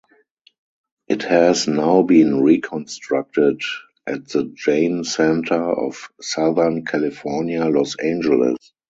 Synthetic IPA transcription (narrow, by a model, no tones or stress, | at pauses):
ʔɪthɛznaʊbĩːnɹikʰɔ̃nstɹak̚tɪd | ʔætðəd͡ʒẽɪ̃nsɛ̃ntʰə˞ɔ̰fsaðə˞nkʰælɪfɔɹnjalɔsẽɪ̃nd͡ʒɛlɪ̰s